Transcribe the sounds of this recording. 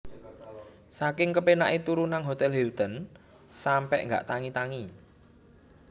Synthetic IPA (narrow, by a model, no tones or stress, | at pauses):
sakɪŋkəpenaʔet̪uɾunaŋɦot̪ɛlɦɛlt̪ən | sampɛʔŋɡa̰ʔt̪aŋit̪aŋi